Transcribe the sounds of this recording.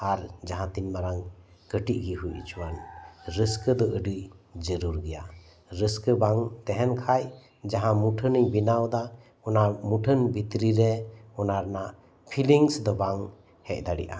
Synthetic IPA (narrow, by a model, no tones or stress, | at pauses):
aɾd͡ʒaɦãt̪inmaɾaŋ | kəʈiʔ̚ɡiɦujit͡ʃʰuwanɾəskəd̪ɔʔəɖɯjd͡ʒəɾuɾɡɛja | ɾəskəbaŋt̪ɛɦɛnkʰaj | d͡ʒaɦãmuʈʰənəjbinawd̪a | ɔnamuʈʰənbit̪ɾiɾɛɔnaɾna | pʰiliŋsd̪ɔbaŋ | hɛc̚ˀd̪aɽḭʔa̰